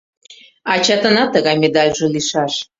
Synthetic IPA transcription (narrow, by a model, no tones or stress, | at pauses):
ɑt͡ɕɑt̪ənɑt̪ːəɣɑjmed̪ɑlʲʒɤ̆liʃɑʃ